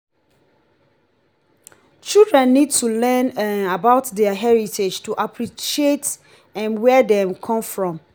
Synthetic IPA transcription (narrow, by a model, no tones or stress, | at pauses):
t͡ʃildɹɛ̃nːid̚tʰulɛ̃nabaʊtdɛəɦɛɹitʰed͡ʒtʰuʔapʰɹiʃiet | ɛ̃nwɛdɛ̃mkʰɔ̃mfɹɔ̃m